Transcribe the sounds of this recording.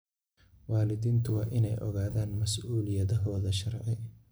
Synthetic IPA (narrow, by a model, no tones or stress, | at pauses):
wɑːlɪðiːnt̪ʰʊwɑːʔɪnɛjʔɔ̰ɣaːðaːnmɐsʔuːlɪjɐðɔɦɔːðɐʃɐrʕɪ